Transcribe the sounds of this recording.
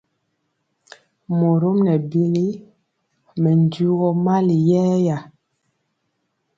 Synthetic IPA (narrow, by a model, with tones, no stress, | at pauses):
mo˨ɾo˦mnɛ˨bi˦li˦ | mɛ˨n˨du˦ɣɔ˦ma˦li˨jɛː˦ja˨